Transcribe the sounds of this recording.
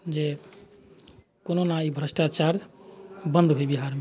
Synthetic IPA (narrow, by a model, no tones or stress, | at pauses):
d͡ʒe | kononaibʱɾəsʈat͡ʃaɾd͡ʒbənd̪ʱɦoibiɦaɾme